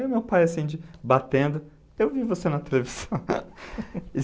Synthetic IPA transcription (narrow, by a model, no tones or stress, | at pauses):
ʊmewpajɐsĩd͡ʒɪbat̪ẽnd̪ʊ | ewvivosenɐt̪eleviz̥ɐ̃w̃